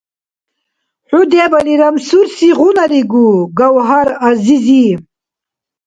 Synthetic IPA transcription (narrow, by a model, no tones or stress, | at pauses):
ħud̪ebɐliɾɐmsuɾsiʁunɐɾiɡuɡɐwɦaɾazizi